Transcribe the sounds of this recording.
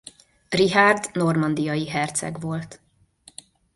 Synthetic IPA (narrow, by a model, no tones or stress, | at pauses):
riɦard̪no̞rmɒnd̪ijɒjiɦɛrt̪sɛ̰ɡʋo̞lt̪